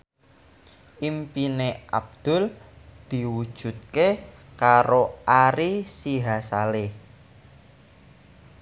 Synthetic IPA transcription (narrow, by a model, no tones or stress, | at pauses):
ʔimpineʔa̰b̚d̪̥ʊ̤ld̪̥i̤wud̥ʒ̥ṳt̪̚kekaɾoʔaɾisiɦasale